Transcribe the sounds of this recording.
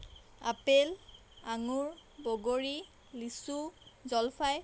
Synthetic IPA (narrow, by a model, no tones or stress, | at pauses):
a̰pel | aŋuɹboɡoɹi | lisuzɔlfʰaj